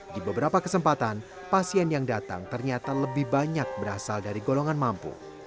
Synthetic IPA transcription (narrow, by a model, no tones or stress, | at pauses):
dibəbəɾapakəsəmpat̪an | pasiɛnjaŋdat̪a̰ŋt̪ərɲat̪aləbɪhbaɲak̚bəɾasaldaɾiɡoloŋanmampṵ